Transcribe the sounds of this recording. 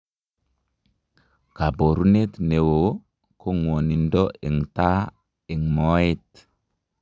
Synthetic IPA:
ka˨bo˨ɾu˦ne˦t̪ne˨wo˨ | kʰo˦ŋwo˨ni˨ndo˦i˨ŋta˦ | i˨ŋmo˦i˦t

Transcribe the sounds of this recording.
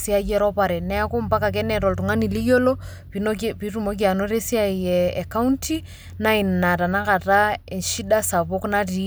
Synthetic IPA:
si˦a˦jɛ˦ɾɔ˦pa˨ɾɛ˨nɛ˦ko˦mpa˦ka˨k̬ɛ˦nɛ˨ɾɔ˨ltu˨ŋa˦ni˨li˦jo˦lɔ | pinpi˨rumɔ˦k̬ia˨no˦ɾe˦si˦a˦jɛa˨ka˦untʰi˦ | na˦i˨nna˨ta˨na˦ka˨taɛ˨nʃi˦da˦sa˨βo˦kna˦ri˨

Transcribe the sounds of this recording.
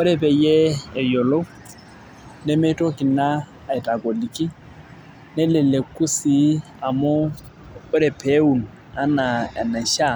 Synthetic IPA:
ʊ˦ɾɛ˦pʼɛ˨jɛː˦˨jɔ˨lo˦ | nɪ˦me˦tʼɔ˦kʼɪ˨naː˦˨ | ɪ˨tʼa˨kʼo˨li˨kʼi˦ | nɪ˦lɪ˨le˨kʼu˦si˨˦ | a˨mʊ˦ | ʊ˦ɾɪ˨pʰe˦u˨n̩ | a˦na˨na˨ʃa˨

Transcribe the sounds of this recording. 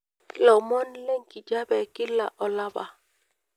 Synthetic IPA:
lɔ˨mɔ˦nlɛ˦ŋki˨d͡ʒa˦bɛ˨ki˦lːa˨ʔɔ˨la˦ba̰˨

